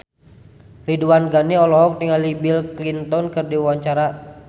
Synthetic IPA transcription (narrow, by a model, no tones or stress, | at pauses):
riduanɡaniɔlɔɦɔk̚t̪iŋalibilklint̪ɔnkɨrdiwaɲt͡ʃaɾa